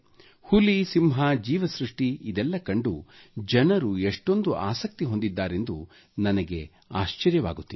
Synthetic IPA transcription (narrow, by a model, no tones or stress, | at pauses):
hulisimɦad͡ʒiːʋɐsɾuʂʈiid̪ɛlːɐkɐɳɖu | d͡ʒɐnɐɾueʂʈo̞nd̪uʔa̰ːsɐk̚t̪iɦo̞nd̪id̪ːaːɾe̞nd̪u | nɐnɐɡe̞ | aːʃt͡ʃɐɾjɐʋaːɡut̪ːi